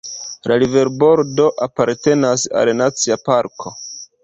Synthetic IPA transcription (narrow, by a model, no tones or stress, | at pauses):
lalive̞ɾbo̞ɾdo̞ʔapaɾte̞nasa̰lnat͡siapaɾkʰo̞